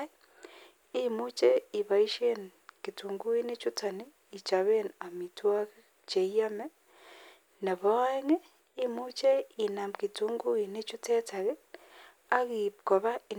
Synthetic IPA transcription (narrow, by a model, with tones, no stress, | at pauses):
i˦mu˦t͡ʃe˦i˨βa˨i˦ʃe˦nki˨tu˨ŋɡu˦i˦ne˦t͡ʃu˦tʰa˨ni˦ | i˨t͡ʃa˨βe˦na˨mi˨twa˦ɣe˦ | t͡ʃe˨i˦a˦mɛ˦ | na˨βɔ˦ŋe˦ | i˦mu˦t͡ʃe˦i˨na˨mki˨tu˦ŋɡu˦i˨ne˦t͡ʃu˦tɛ˦tʰa˨ɣe˦ | a˦ɣi˨ko˨βa˦i˨